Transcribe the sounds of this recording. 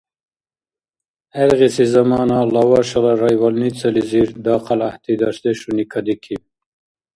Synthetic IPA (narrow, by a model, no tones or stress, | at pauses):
eɾʁisizɐmɑːnɑlɑwɑːʃɐlaɾajwalnit͡sɐliziɾd̪ɑːqalaht̪id̪ɑsd̪eʃunikʰɐd̪ikʰi